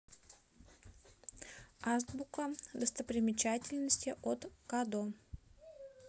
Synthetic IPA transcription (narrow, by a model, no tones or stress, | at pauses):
azd̪bukəd̪əst̪əpɾʲɪmʲɪt͡ɕatʲɪlʲnəsʲtʲɪʔot̪kad̪o